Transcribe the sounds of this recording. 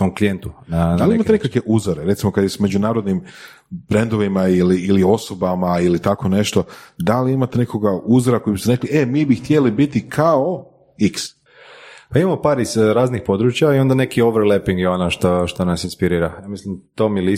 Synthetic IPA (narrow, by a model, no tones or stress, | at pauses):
somklijent̪unand̪aliimaenekake̞ʔuzoɾeɾe̞t̪simo̞kad̪jesme̞d͡ʑunaːɾo̞d̪nim | bɾend̪o̞ʋimailiːlio̞so̞bamailit̪ako̞ne̞ʃt̪o̞d̪aliimat̪ene̞ko̞ɡauzɾako̞jibist̪eɾe̞klie̞miːbixt̪jelibit̪ikʰao | iks | paimamopaːɾizɾaːznixpo̞d̪ɾuːt͡ʃjaio̞nd̪anekioʋɾlepiŋɡjeonaʃt̪oʃt̪onasinspiɾiːɾaamislimt̪omili